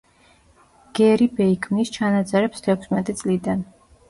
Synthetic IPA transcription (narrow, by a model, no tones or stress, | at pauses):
ɡ̥ɛɾibɛikʰmnist͡ʃʰanat̪zʼɛɾɛpst̪ʰɛkʰʊsmɛt̪ʼit̪sʼlid̪an